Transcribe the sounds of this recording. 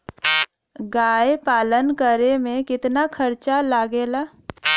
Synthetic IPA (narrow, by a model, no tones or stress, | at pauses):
ɡaːepaːlənkəɾemẽkɪt̪nakʰəɾt͡ʃalaːɡeːlaː